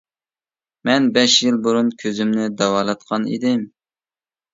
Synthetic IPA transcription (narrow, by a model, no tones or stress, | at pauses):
mɛnbɛʃjɪlˠbuɾunkʲʰøzymnɪd̪ɑwɑːlˠɑt̪̚qʰɑnḭd̪ɪm